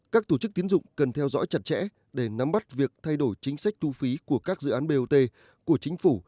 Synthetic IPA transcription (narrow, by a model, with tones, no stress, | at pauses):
kaː˦˥k̚t̪o˧˩t͡ɕɨ˦˥k̚t̪i˨˦ənzʊ̰˧˨ŋ͡mkə˨˩nt̪ʰɛ˧wzɔ̰˧˥jt͡ɕa˨˩t̚t͡ɕɛ̰˧˥ | ɗe˧˩na˨˦mɓa˦˥t̚vi˨˩ək̚t̪ʰa˧jɗo˧˩jt͡ɕï˨˦ŋ̟sa˦˥k̟̚t̪ʰu˧fi˨˦ku˧˩əkaː˦˥k̚zɨ̰˧˨ʔaː˨˦nɓe˧ʔo˧t̪e˧ | ku˧˩ət͡ɕï˨˦ŋ̟fu˧˩